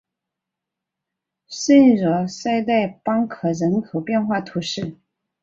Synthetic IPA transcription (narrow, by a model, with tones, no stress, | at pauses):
se˥ɪɻɔ˧˥˦sa˥˧ɪt̪a˥˩ɪpɑ˥ŋkʰɤ˨˩ɻə˧˥nkʰo˨˩ʊpjɛ˥˧nxwa˥˩t̪ʰu˧˥ʂɻ̩˥˩